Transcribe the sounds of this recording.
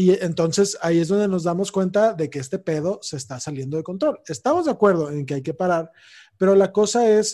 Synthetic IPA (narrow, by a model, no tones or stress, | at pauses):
ient̪o̞nse̞saie̞zðo̞nd̪eno̞zðamo̞skwe̞nt̪aðe̞keest̪e̞pe̞ð̞o̞se̞ːst̪asalje̞nd̪o̞ðe̞ko̞nt̪ɾo̞le̞st̪amo̞zðakwe̞ɾð̞o̞e̞ŋkeajke̞paɾaɾ | pe̞ɾo̞lako̞sae̞s